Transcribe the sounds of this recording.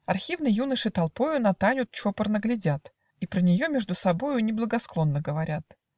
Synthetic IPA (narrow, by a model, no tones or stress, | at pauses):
ɐrxʲivnɨjjunəʂɨt̪ɐlˠpo̞jʊnɐt̪anʲʊt̪̚t͡ɕo̞pərnəɡlʲɪdʲat̪ | ipɾənʲɪjo̞mʲeʐd̪ʊsɐbo̞jʊnʲɪblˠəɡɐsklˠo̞nːəɡəvɐɾʲat̪